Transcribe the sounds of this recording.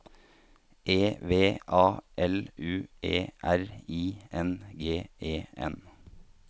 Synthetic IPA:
ʔeːʋeːʔɑːʔɛlʉːʔḛːʔæɾiːʔɛnɡeːeːɛ̰n

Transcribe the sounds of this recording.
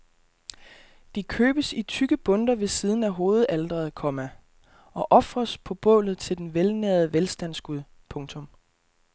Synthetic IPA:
d̥ikʰøːb̥əsit͡sʰyɡ̥əb̥ɔ̽nd̥ɐʋe̝siːð̞ˠn̩æɦo̝ːð̞̩ˠæld̥ʁɐð̩ˠkʰɒ̽mæ | ɒ̽ʔɒ̽fʁɐspʰɒ̽b̥ɔ̰̽ːlð̞̩ˠt͡sʰe̝ld̥enʋelneɐð̩ˠəʋelsd̥æn̰sɡ̥uðˠ | pʰɔ̽ŋt͡sʰɔ̽m

